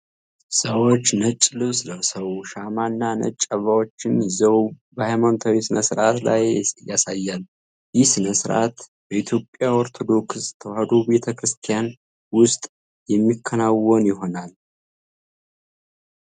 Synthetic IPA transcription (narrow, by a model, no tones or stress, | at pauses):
səwot͡ʃːnət͡ʃʼːlɨβsləwsəwʃamanːanə̰t͡ʃʼːəβawo̞t͡ʃːɪnzəw | bəhajmant̪ʰawisɨnəsɨɾat̪lajjasajːal | jɪhsɨnəsɨɾʔa̰t̪bəit̪ʰjo̞pʼːjaɔɾt̪ʰo̞d̪o̞kt̪ʰəwad̪obe̞t̪ʰəkɾɨst̪ʰijan | wʊst̪ʼ | jɛmːikʰːənawːonjɪɦo̞nal